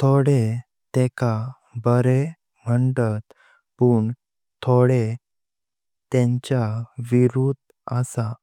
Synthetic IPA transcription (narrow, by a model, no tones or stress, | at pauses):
t̪ʰoɽe | t̪ɛka | bəɾe | m̤əɳʈət̪ | puːɳ | t̪ʰoɽe | t̪ẽɲt͡ɕjaʋiɾuːd̪ | əsa